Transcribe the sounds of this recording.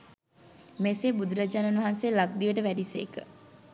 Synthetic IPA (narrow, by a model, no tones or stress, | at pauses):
mesebud̪uɾad͡ʒaːnanʋɐɦanseːlak̚d̪iʋəʈəʋæɖisḛːkə̰